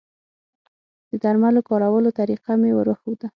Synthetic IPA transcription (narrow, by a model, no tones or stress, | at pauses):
d̪̥əd̪aɾmalokɑɾawəlot̪aɾiqamewə̰ɾəxud̪a